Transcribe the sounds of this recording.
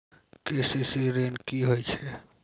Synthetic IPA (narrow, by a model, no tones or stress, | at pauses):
kesisiɾenkiɦojt͡ʃʰɛ